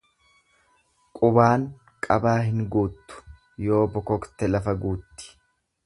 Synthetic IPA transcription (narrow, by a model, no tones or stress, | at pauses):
kʼʊbaːŋ | kʼɐbaːɦɪŋɡuːt̪ːʊ̥ | jo̞ːbɔkɔkt̪ɛlɐfɐɡuːt̪ːɪ̥